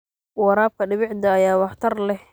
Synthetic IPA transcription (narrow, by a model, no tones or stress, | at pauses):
wɑɾaːb̚kʰɐɖɪβɪʕd̪ɐːjaːwɑħt̪ʰɐrlɛh